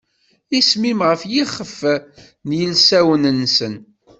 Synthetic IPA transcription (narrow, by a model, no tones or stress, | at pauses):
ismimʁəfjiχːəf | njəlsæwənənːsən